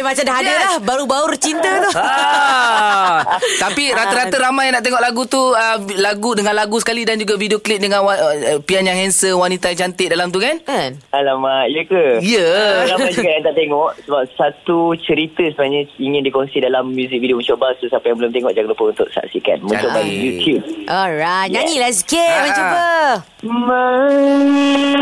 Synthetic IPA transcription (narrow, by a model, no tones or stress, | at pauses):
mat͡ʃamdaɦadəlahbaɾubaurt͡ʃint̪ət̪ɔ | t̪apiɾat̪əɾat̪əɾamajnaʔt̪̬eŋɔʔlaɡut̪uəlaɡudəŋãnlaɡusə̥kalidand͡ʒuɡavidioklɪt̪̚dəŋãnapianjãŋhɛnsənwanit̪ajaŋt͡ʃant̪ɪʔdalamt̪̬ukanalamaʔjəkəjəlaad͡ʒuɡajãnt̪aʔt̪eŋɔʔsəbap̚sat̪ut͡ʃəɾit̪əsəbənaɲəiŋɪ̃ndikɔnsidalamːjuzik̚vidioməɲt͡ʃobasosapajaŋmbəlʊmt̪eŋɔʔd͡ʒakləpəunt̪ʊʔ̚sa̰ʔsika̰nmə̃t͡ʃobajut̪jub̚ɔɹaɲaɲilaskemant͡ʃubə | mə